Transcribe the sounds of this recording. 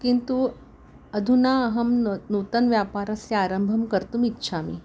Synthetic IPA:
kint̪u | ɐd̪ʱunaɐɦɐmnut̪ɐnʋjaːpaːɾɐsjɐaːɾɐmbʱɐmkɐɾt̪umitːʃʰaːmi

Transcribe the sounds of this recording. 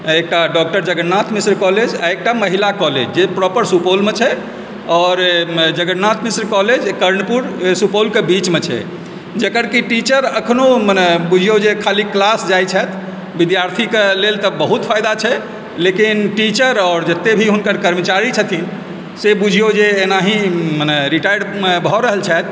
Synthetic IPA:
ek̚ʈaɖɔk̚ʈəɾd͡ʒəɡənnːat̪misɾkɔled͡ʒa̰ek̚ʈaməɦilakɔlḛd͡ʒd͡ʒepɾɔpəɾsupolmet͡ʃʰɛ | ɔːɾd͡ʒəɡənnat̪misɾkɔled͡ʒkəɾnpuɾsupolkebit͡ʃmet͡ʃʰɛ̰ | d͡ʒəkəɾkiʈit͡ʃəɾəkʰnomənɛbud͡ʒʱijod͡ʒekʰaliklasd͡ʒajt͡ʃʰɛt̪ʰ | bid̪jaɾt̪ʰikelelt̪əbəɦut̪pʰajd̪at͡ʃʰɛ | lekinʈit͡ʃəɾɔːɾd͡ʒət̪ːebʱiɦunkəɾkəɾmət͡ʃaɾit͡ʃʰət̪ʰi | sebud͡ʒʱijod͡ʒeːnaɦĩmənɛɾiʈajɖbʱɔɾəɦəlt͡ʃʰɛt̪̚ʰ

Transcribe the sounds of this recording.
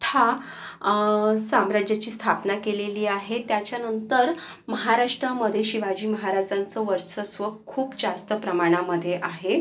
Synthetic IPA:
ʈʰa | samɾad͡ʑjat͡ɕiːst̪ʰapnakeleliːaɦet̪jat͡ɕjanənt̪əɾ | məɦaɾaʂʈɾaməd̪ʱjeɕiʋad͡ʑiːməɦaɾad͡zant͡səʋəɾt͡səsʋəːuːpd͡zast̪əpɾəmaɽ̃aməd̪ʱːjeʔaɦe

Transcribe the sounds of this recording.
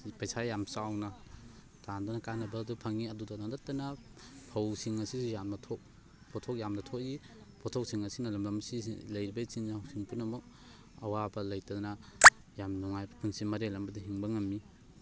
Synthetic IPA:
pajsajamsawna | tandɔnɐkanɐbadupʰɐŋiɐdudalandatanɐpʰawsiŋɐsisjamnatʰɔk̚ | pʰɔtʰɔk̚jamnatʰɔki | pʰɔtʰɔk̚siŋɐsinɐlɐmlamsḭlɐjɾibɐit͡ʃinːahawsiŋpunɐmuk̚ | ɐwabɐlɐjtadna | jamnuŋajbpʰɯŋsimɐɾelɐmbɐdiɦiŋbɐŋɐmːi

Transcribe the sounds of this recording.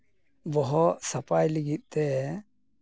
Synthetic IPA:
bɔɦɔsapajliɡit̪̚ˀt̪ɛ

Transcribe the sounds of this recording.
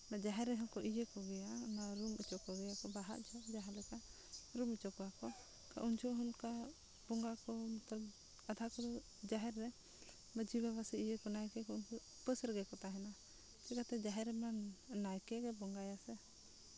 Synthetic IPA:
nad͡ʒaɦɛɾːɛɦɔnkɔʔid͡ʒekɔɡɛjanaɾumət͡ʃɔkɔɡɛjakɔbaɦa̰ʔd͡ʒʰɔd͡ʒaɦɛlɛka | ɾumət͡ʃɔkɔakɔ | ka̰ʔunt͡ʃʰɔɦunka | bɔŋɡakɔmɔt̪ɔɾ | ad̪ʱakɔd̪ɔ | d͡ʒaɦɛɾːɛ | məd͡ʒibɛβasɛid͡ʒekɔnajkɛkɔunku | pəsɾɡɛkɔt̪aɦɛna | t͡ʃɛkat̪ɛd͡ʒaɦɛɾɛmanːajkɛɡɛbɔŋɡajasɛ

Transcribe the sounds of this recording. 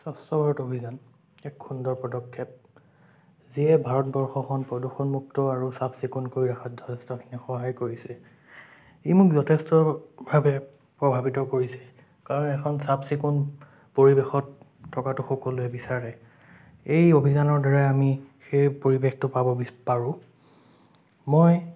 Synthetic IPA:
sɔstɔbʱaɹɔtobʱizan | ɛkxundɔɹpɔdɔkʰːɛp̚ | ziɛbʱaɹɔtbɔɹxɔkʰɔnpɹɔduxɔnmuk̚tɔaɹusabsikunkojɹakʰɔtzɔtʰɛstɔkʰinixɔɦajkoɹisɛ | emʊkzɔtʰɛstɔbʱabɛ | pɹɔbʱabitɔkoɹisɛ | kaɹɔnɛkʰɔnsabsikun | poɹibexɔtʰː | ɔkatʊxɔkɔlʊɛbisaɹɛ | ejobʱizanɔɹdɔɹajamixejpoɹibextʊpabɔbipaɹʊ̃ | mɔj

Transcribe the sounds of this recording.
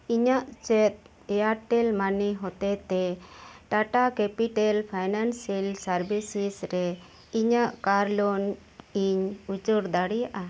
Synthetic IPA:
iɲaʔt͡ʃɛt̪̚ | ɛjaɾʈɛlmaniɦɔt̪ɛt̪ɛʈaʈakɛpiʈɛlpʰajnansɛlsaɾbisisɾɛ | iɲaʔkaɾlɔn | iɲud͡ʒɔɾd̪aɽijaʔa

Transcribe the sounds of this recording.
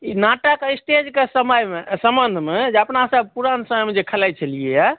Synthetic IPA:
inaʈakeisʈed͡ʒkesəməjmesəmbənd̪ʱmed͡ʒeəpnasəb̚puɾansəməjmed͡ʒekʰəlajt͡ʃʰəlieja

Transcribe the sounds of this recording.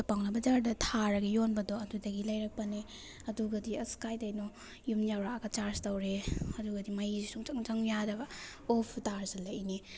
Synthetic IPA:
paŋnɐbɐd͡ʒaɾdɐtʰaɾɐɡijonbɐdɔɐdudɐɡilɐjɾɐk̚pɐne | ɐduɡɐdiɐskajdajnɔ | jumjawɾaɡat͡ʃaɾstɐwɾeɐduɡɐdimɐjzisuŋt͡ʃaŋt͡ʃaŋjaɾɐbɐ | opʰtaɾzalaʔni

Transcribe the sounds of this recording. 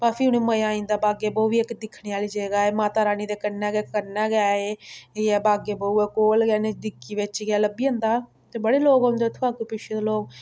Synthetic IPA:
baːpʰiːʊneːməjãːĩːnd̪aːbaːɡeːbəuːʋiːekd̪ɪkʰːɽeːaːliːd͡ʒeːɡaːeːmaːt̪aːɾaːniːd̪eːkənɛːɡɛːkəɾnɛːɡaːeːɛːbaːɡeːbəuɛkoːlɡɛːned̪ɪkːiːʋɪt͡ʃɡaːləbiːə̃nd̪aː | t̪eːbəɽeːloːɡõnd̪eːt̪ʰːaːkepɪt͡ʃʃʰed̪oloːɡ

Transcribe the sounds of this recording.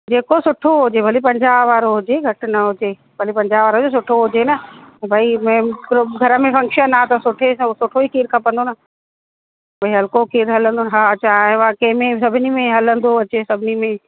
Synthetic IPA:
d͡ʑeːkosʊʈʰoɦʊd͡ʑebʱɐlipɐ̃ɲd͡ʑaːʋaːɾoɦʊd͡ʑeɡʱɐʈnɐɦʊd͡ʑe | bʱɐlipɐ̃ɲd͡ʑaːʋaːɾɦʊd͡ʑes̬ʊʈʰoɦʊd͡ʑenɐbʱaimɛ̃ːɡʱɐɾəmẽfɐ̃ŋkʃənaːt̪ɐsʊʈʰesosʊʈʰoikʰiːɾkʰɐpə̃nd̪onɐ | bʱɐiɦɐlkokiːɾɦɐlə̃nd̪onɦaːt͡ɕãʋaːkemẽsɐbʱɪnimẽɦɐlə̃nd̪oɐt͡ɕesɐbʱɪnimẽ

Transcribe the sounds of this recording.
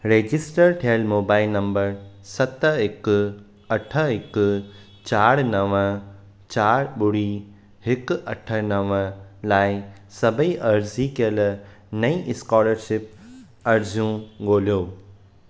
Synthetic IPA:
ɾeːd͡ʑɪsʈəɾʈʰiəlmoːbaːɪlnɐ̃mbəɾsɐt̪əɪk | ɐʈʰəɦɪk | t͡ɕaːɽnɐʋə̃ | t͡ɕaːɾɓʊɽ̤i | ɦɪkɐʈʰənɐʋəlaːɪsɐbʱiʔɐɾzikəl | nɐĩʔɪskɔːləɾʃɪp̚ | ɐɾzjũɡoːljoː

